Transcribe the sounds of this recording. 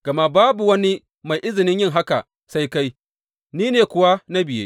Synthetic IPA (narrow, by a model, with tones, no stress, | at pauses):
ɡ̥ɐ˨ma˦baː˦bu˨wɐ˦ni˦ | ma˨jʔɪ˦zɪ˨nɪ˦ɲjɪ˦ŋɦa˦ka̰˨ | sa˦jka˦j | niː˦neː˨kʷʊ˨wa˦na˦bɪ˨jḛ˦